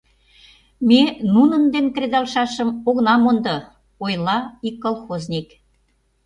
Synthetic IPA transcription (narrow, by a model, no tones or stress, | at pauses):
menunənd̪enk̪red̪ɑlʃɑʃə̆moɣnɑmond̪ɤ̆ | ojlɑikːolˠxoznʲik